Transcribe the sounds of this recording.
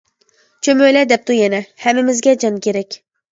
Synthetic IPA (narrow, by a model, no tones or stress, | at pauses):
t͡ʃʰømøjlɛd̪ɛp̚t̪ujɛnɛhɛmːɪmɪzɡʲɛd͡ʒɑnkʲʰeɾɛkʲ